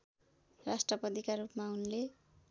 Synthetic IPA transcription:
rasʈrʌpʌd̪ikaɾupmaunle

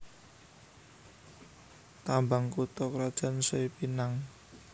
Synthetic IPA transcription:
t̪ambaŋkut̪ɔkɾad̥ʒ̥a̤nsoipinaŋ

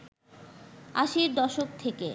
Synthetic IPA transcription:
aʃiɾd̪ɔʃok̚t̪ʰeke

